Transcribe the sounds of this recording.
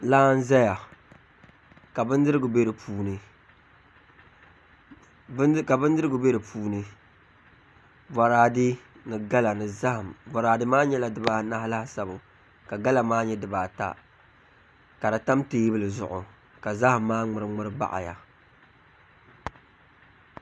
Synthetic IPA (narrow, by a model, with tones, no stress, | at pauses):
laː˦n̩˦zɛ˦ja˨ | ka˨bɨ˦n˦dɨ˦ɾɨ˦ɡɨ˨be˦ɾɨ˨pʰuː˦nɨ˨˦ | ka˨bɨ˦ndɨ˦ɨ˦ɡɨ˨be˦ɾɨ˨pʰuː˦nɨ˨ | va˨ɾaː˨dɨ˦ | nɨ˨ɡa˦la˨nɨ˨za˦hɨ˨mva˨ɾaː˨dɨ˦maː˦ɲɛ˦la˨dɨ˨baː˨˦na˦hla˦hsa˦bʊ˨ | ka˨ɡa˦la˨maː˦ɲɛ˦dɨ˨baː˨ta̰˦ | ka˨da˨ta˦mteː˦bɨ˦lɨ˨zʊ˨ʔʊ˨ | ka˨za˦hɨ˨mːaː˦ŋ͡mɨ˨ɾɨ˦ŋ͡mɨ˦ɾɨ˦ba̰˦ʔa̰˨ja̰˨